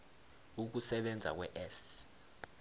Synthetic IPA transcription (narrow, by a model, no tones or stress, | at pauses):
uk̬usɛɓɛnd͡zʱa̰k̬wɛʔɛs